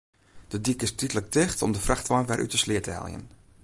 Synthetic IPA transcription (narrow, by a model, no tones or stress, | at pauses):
d̥ədikɪstitələk̚tɪxtɔ̰mdəfraxtʋajnʋɛrʔy̰təslɪətəɦɛ̰lˠjə̰n